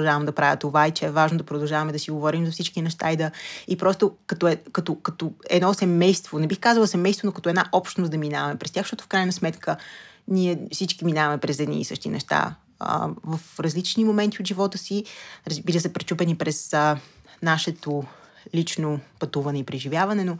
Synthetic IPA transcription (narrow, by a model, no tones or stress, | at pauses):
ʒavɐmd̪ɐpɾavʲjət̪ovait͡ʃɛɛvaʒnod̪ɐpɾod̪ɐlˠʒavɐmɛd̪ɐsiɡovɔɾimzɐfsit͡ʃkinɛʃt̪aid̪ɐipɾɔst̪okɐt̪oɛkɐt̪okɐt̪oɛ̰d̪nɔsɛmɛjst̪vonɛbixkazəɐlˠəsɛmɛjst̪vonokɐt̪ɔɛd̪naʔɔpʃt̪nosd̪ɐminavɐmɛpɾɛst̪ʲjaxʃt̪ɔt̪ʊ̥fkɾajnəsmɛt̪kʰə | niɛfsit͡ʃkiminavɐmɛpɾɛzɛd̪nḭːsɤʃt̪inɛ̰ʃt̪a̰ | vɐfɾɐzlit͡ʃnimomɛnt̪iot̪ʒivɔt̪əsiɾɐzbilʲəsɛpɾɛt͡ʃupɛnipɾɛs | naʃɛt̪o | lʲit͡ʃnopɐt̪uvɐnɛipɾɛʒivʲjavɐnɛno